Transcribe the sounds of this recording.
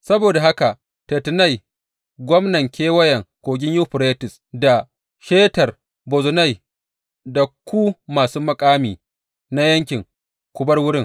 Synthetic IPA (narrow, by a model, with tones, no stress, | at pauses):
sɐ˦boː˨da˨ha˦ka˨ | te˨tɪ˨na˦˨j | ɡʷɔ˦mnɐ˨ŋkʲʰeː˦wɐ˦jɐ˨ŋkʷoː˨ɡʲɪ˦ɲju˦ɸʊ˨ɾeː˦tɪ˨s | da˨ | ʃeː˦tɐ˨r | bo˨zʊ˨na˦˨j | da˨kʷu˦maː˨su˦mɐ˨kʼaː˦miː˨ | na˦jɐ˦ŋkʲɪ˨ŋ | kʷʊ˦bɐ˦rwʊ˦ɾɪ˦ŋ